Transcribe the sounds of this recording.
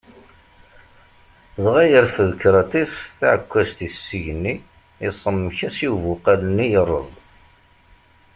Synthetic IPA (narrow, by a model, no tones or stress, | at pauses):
ðˤʁæjəɾfəðkːɾˤɑt̪isθaʕəkʷːæst̪isːiʝənːi | ɪsˤəmːçæsiwvʊqalənːijərˤːə̰ðˤ